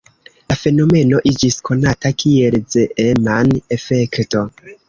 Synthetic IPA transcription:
lafe̞no̞me̞no̞ʔid͡ʒiskʰo̞natakʰielzeʔemanefe̞kto̞

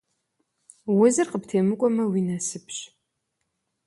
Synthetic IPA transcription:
wʊzɨrqəptʰeːmɨkʷʼɔmɐwinɐsɨpʰɕ

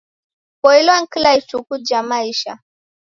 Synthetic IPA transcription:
kɔilwaŋ̩kilait͡ʃukud͡ʒamaiʃa̰

